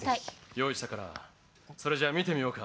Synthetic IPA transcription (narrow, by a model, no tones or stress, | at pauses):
ajo̞ːiɕi̥t̪akaɾa̰ | so̞ɾe̞d͡ʑaːmʲit̪e̞mʲio̞ːka